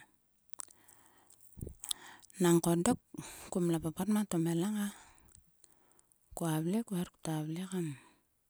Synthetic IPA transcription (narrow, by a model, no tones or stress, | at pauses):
naŋkodokkumlapapatmatomelaŋa | kuaβlekuaɾku̥taβlekam